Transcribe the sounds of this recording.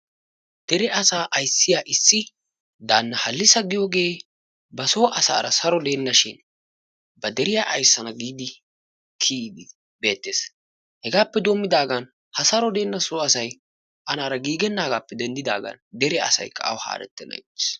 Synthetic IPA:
d̪̥ɛɾɛʔɐsaːʔɐjsːɪjaːʔɪsːɪ | d̪aːnːɐhɐlːɪsɐɡɪjoːɡe̞ː | bɐsoːʔɐsa̰ːɾɐsɐɾɔd̪e̞ːnːɐʃɪn | bɐd̪ɛɾɪjaːʔɐjsːɐnɐɡiːd̪ɪ | kʰiːd̪ɪ | be̞ːt̪ːeːs | hɛɡaːpːɛd̪oːmːɪd̪aːɡɐn | hɐsɐɾɔd̪e̞ːnːɐsoːɐsɐj | ʔɐnaːɾɐɡiːɡɛnːaːɡaːpːɛd̪ɛnd̪ɪd̪a̰ːɡɐ̰nd̪ɛɾɛɐ̰sɐ̰jkːɐ̰ɐ̰wha̰ːɾɛ̰t̪ːɛnɐ̰jtːɪ̥s

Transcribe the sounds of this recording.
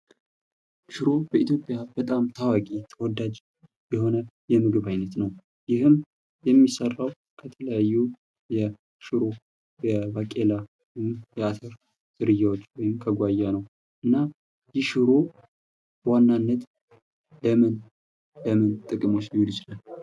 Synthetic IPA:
ʃɨɾo̞bəʔit̪jo̞pʼjabət̪ʼamt̪ʰawakʼit̪ʰəwɔd̪ad͡ʒ | jɛho̞nə | jɛmɨɡɨβajnət̪nəw | jɪhɨm | jɛmːisərːaw | kʰət̪ʰələjajːu | jɛ | ʃɨɾo̞ | jɛbakʼela | jɪmjɛat̪ʰəɾ | z̥ɨɾɨjːawot͡ʃːwɔjɪmkʰəɡʷajːanəw | ʔɨnːa | jɪʃɨɾo | wanːanːət̪ | bəmɨn | bəmɨnt̪ʼɨkʼɨmo̞t͡ʃːjɪjud̪ɪt͡ʃlal

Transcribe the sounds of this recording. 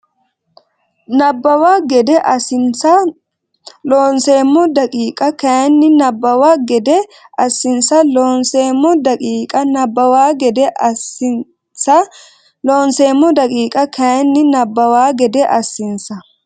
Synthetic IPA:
nɐbːɐwaːɡɛd̪ɛʔɐsɪnsɐ | loːnse̞ːmːɔd̪ɐkʼiːkʼɐkɐnːɪnɐbːɐwaːɡɛd̪ɛɐsːɪnsɐloːnseːmːɔd̪ɐkʼiːkʼɐnɐbːɐwaːɡɛd̪ɛ | sɐ | loːnseːmːɔd̪ɐkʼiːkʼɐkɐnːɪnɐbːɐwaːɡɛd̪ɛʔɐsːɪnsɐ

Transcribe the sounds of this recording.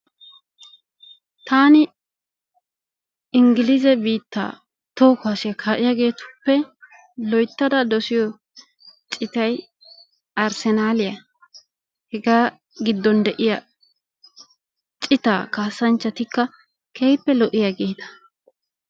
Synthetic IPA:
t̪ʰaːnɪ | ɪŋɡɪlɪzɛbiːt̪ːa̰ː | t̪o̞ːkʊaːsɪjɐkʰaːʔɪjaɡe̞ːt̪ʊ̥pːɛ | lɔjt̪ːɐd̪ɐd̪ɔsɪjɔ | t͡ʃʼɪt̪ɐj | ɐɾsɛnaːlɪjɐ | hɛɡaː | ɡɪd̪ːɔnd̪ɛʔɪjɐ | t͡ʃʼɪt̪a̰ːkaːsːɐnt͡ʃːɐt̪ɪkːɐ | kʰeːpːɛlɔʔɪjaɡe̞ːt̪ɐ̥

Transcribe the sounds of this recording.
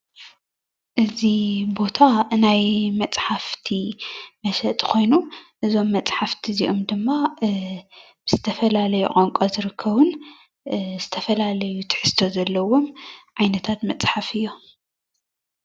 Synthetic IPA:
ʔɨzibo̞t̪ʰaɨnajmɐt͡sʼħaft̪ʰimɐʃɐt̪ʼkʰo̞jnuʔɨzo̞mːɐt͡sʼħaft̪ʰiziʔo̞md̪ɨmːa | b̥ɨzɨt̪ʰɐfɐlalɐjukʼoŋkʼozɨɾɨkʰːɐβun | z̥ɨt̪ʰɐfɐlalɐjut̪ʰɨ̥ħɨst̪ʰo̞zɐlːɐwo̞mʕajnɐt̪ʰat̪mɐt͡sʼħafɨjːo̞

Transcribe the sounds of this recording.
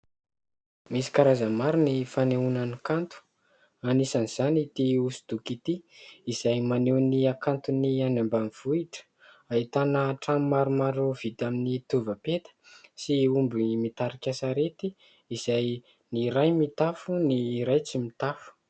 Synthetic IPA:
misi̥kaɾazəmaɾinifaneunanikant̪u̥ | anisaniz̥anit̪iusu̥d̪̥ukit̪iizajmanewniakant̪unianambaniv̥uiʈ͡ʂə̥ | ait̪anəʈ͡ʂamimaɾumaɾov̥id̪aminit̪uvəpet̪ə̥siumbimit̪aɾikʲasaɾet̪i | iz̥aj | niɾajmit̪afuniɾajt͡simit̪afu̥

